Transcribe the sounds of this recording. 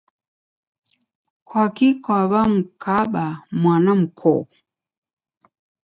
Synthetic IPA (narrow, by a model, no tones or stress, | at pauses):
kʰwakikwaβam̩kʰaɓamwanam̩kʰɔ̰